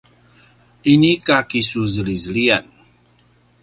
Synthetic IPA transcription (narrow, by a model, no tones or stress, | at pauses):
inikakisuzəlizəlian